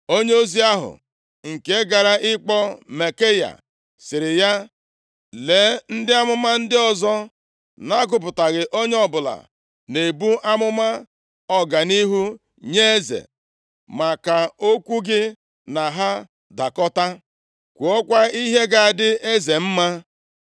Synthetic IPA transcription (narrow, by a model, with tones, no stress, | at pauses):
o˦ɲe˦o˦zi˦a˦ɦʊ̰˨ | ŋ̩˨ke˦ɡa˨ɾa˦ʔɪ˦k͡pɔ˦me˨ke˦ja̰˨ | sɪ˨ɾɪ˨ja˦ | le˨˦n̩˦dɪ˦a˦mʊ˦ma˦n̩˦dɪ˦ɔ˦zɔ˦ | na˦ɡʊ˨p̬ʊ˨ta˨ɣɪ˨ʔo˦ɲe˦ɔ˦bʊ˨la̰˨ | ne˨bu˦ʔa˦mʊ˦ma˦ | ɔ˦ɡa˨ni˦ɦu˦ | ɲe˦e˦zḛ˨ | ma˨ka˨o˦kʷu˦ɡɪ˦ | na˨ɦa˦ | da˨kɔ˦ta˦ | kʷu˨ɔ˦kʷa˦i˦ɦe˦ɡa˨dɪ˦e˦ze˨m̩˦ma˦